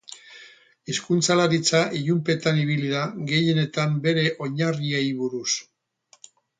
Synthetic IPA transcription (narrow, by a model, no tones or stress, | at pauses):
iskunt͡salaɾit͡saʔiʎumpe̞t̪aniβ̞iliðaɡe̞je̞ne̞t̪ambe̞ɾe̞ʔo̞ɲariejβuɾus